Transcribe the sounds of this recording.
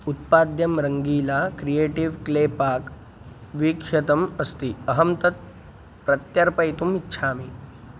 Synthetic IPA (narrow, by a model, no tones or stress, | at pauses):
ut̪̚pad̪jɐmɾəŋɡiːlakɾijeʈiʋklepak | ʋikʂɐt̪əməst̪iːəɦəmt̪ət̪̚ | pɾɐt̪jɐɾpəjt̪umitːɕʰaːmi